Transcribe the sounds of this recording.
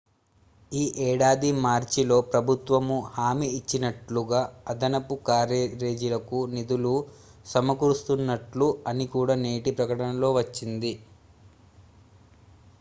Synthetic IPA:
iːʔɛːɽaːd̪imaːɾt͡ʃilo̞ːpɾɐbʱut̪ʋɐmuhaːmiːt͡ʃːinɐʈluɡaːɐd̪ɐnɐpukaːɾeɾe̞ːd͡ʒilɐkunid̪ulu | sɐmɐkuɾust̪unːɐʈluɐnikuːɽaːne̞ːʈipɾɐkɐɽɐnɐlo̞ːʋɐt͡ʃːind̪i

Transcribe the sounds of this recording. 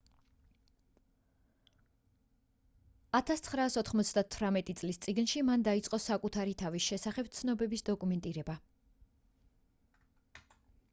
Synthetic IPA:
at̪ʰast̪sʰχɾaːsɔt̪ʰχmɔt̪sʰd̪at̪ʰvɾamɛt̪ʼit̪sʼlist̪sʼiɡnʃimand̪ait̪sʼqʼɔsakʼut̪ʰaɾit̪ʰavisʃɛsaχɛb̥t̪sʰnɔbɛbisd̪ɔkʼumɛnt̪ʼiɾɛba

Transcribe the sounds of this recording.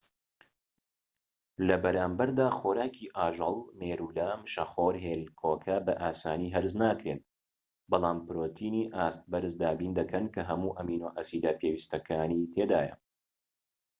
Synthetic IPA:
lɐbɐɾaːmbɐɾd̪aːxoːɾaːkʰiʔaːʒɨlˠmeːɾuːlamɨʃɐχoːɾɦeːlkʰoːkʰɐbɐʔaːsaːniːɦɐɾɨznaːkɾeːn | bɑlˠaːmpɨɾoːt̪ʰiːniːʔaːst̪̚bɐɾɨzd̪aːbind̪ɐkʰɐnkʰɐɦɐmuːʔɐmiːnoːʔɐsiːd̪aːpʰeːwist̪ɐkʰaːnit̪ʰeːd̪aːjɐ̰

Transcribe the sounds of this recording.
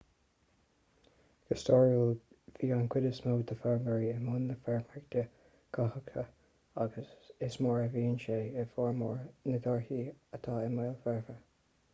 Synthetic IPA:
ɡ̥əstɔɹəl | viːɑnkʰwɪdəsmoːd̪əfɛɹməɹiɪmʊnðəfɛɹmɹɪɡd̪̥ə | ɡ̥ʰɑhəkt̪ʰə | aɡəsɪsmɔːɹəviːənʃeːɪfɔɹmɔːɹnəd̪ɔɹhiət̪ʰɑːɪmaːlˠfɛɹvə

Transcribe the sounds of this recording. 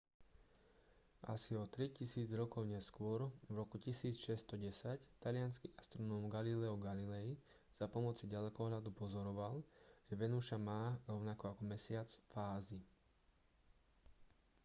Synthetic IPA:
ʔa̰siɔt̪ɾicisiːd͡zɾɔkɔʊɲɛskʊɔɾvɾɔkucisiːt͡sʃɛst̪ɔɟɛsact̪alɪanskiʔast̪ɾɔnɔːmɡalilɛɔɡalilɛi | z̥apɔmɔt͡siɟalɛkɔɦʎad̪upɔzɔɾɔʋalʒ̥ɛʋɛnuʃamaːɾɔʊnakɔakɔmɛsɪat͡sfaːzi

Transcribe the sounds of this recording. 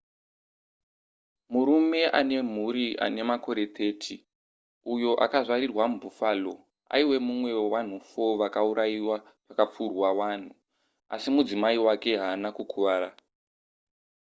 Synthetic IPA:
muɾume̞ʔane̞m̤uɾiʔa̰ne̞mako̞ɾe̞t̪ʰe̞ːtʰi | ujo̞ʔa̰kaʐaɾirwamubʱufaːlo̞ | a̰iwe̞mumwe̞wan̤ufo̞ʋakauɾaiwa | pakap͡furwawaːn̤u | a̰simud͡zimaiwake̞ɦaːnakukʰuʋaːɾa

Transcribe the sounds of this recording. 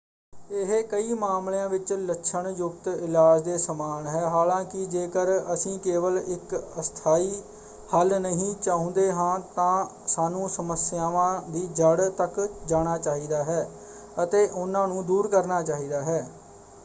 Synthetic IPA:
ɪɦekəiːmaːmljãːʋɪt͡ʃləkːʃʰəɳjʊk̚t̪ɪlaːd͡ʒd̪eːsəmaːnɦɛːɦaːlãːkɪd͡ʒeːkəɾəsĩːkeːʋəlɪkəst̪ʰaːiː | həlnəɦĩːt͡ʃaːɦʊ̃ːnd̪eːɦãːt̪ãː | saːnũːsəməsɪjaːʋãːd̪iːd͡ʒəɽt̪əkd͡ʒaːɽ̃aːt͡ʃaːɦiːd̪aːɦɛː | ət̪eːʔʊnãːnũːd̪uːɾkəɾnaːt͡ʃaːɦiːd̪aːɦɛː

